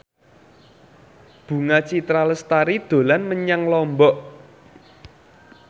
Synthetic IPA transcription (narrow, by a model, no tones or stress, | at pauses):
b̥ṳŋat͡ʃit̪ɾaləst̪aɾid̪̥o̤lanməɲaŋlɔmbɔʔ